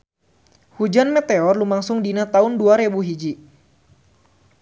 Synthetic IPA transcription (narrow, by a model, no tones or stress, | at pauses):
hud͡ʒanmɛt̪ɛɔrlumaŋsʊŋdinat̪aʊnduaɾebuɦid͡ʒi